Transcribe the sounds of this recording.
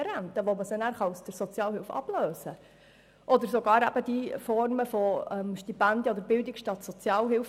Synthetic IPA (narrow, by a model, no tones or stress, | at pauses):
ɛɾænt̪əʋoməsənæːɾχɑusd̥əɾsɔt͡sjɑːlɦɪlfɑ̰bløːsə | ʔɔd̪əɾsoɡɑːɾæ̰b̥əd̥̪ifɔrməfɔɛmʃtipænd̪əɔd̪əɾbɪld̪ɪkʃtɑt̪sɔt͡sjɑːlɦɪlf